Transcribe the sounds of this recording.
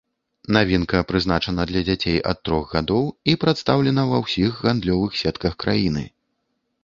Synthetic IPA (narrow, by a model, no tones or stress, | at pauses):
navʲinkɐpɾɨzn̪at͡ʂɐnɐd̪lʲɐd͡zʲat͡sʲejʔɐ̰t̪ːɾɔɣɣad̪ɔwipɾat̪st̪awlʲɛnɐvɐwsʲixɣand̪lʲɔvɨxsʲɛt̪kɐxkɾajinɨ̰